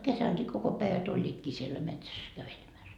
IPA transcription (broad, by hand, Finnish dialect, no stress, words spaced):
kesæŋkiː koko pæiʋæt olʲːiːtkiː sielːæ metsæs kæʋelemæs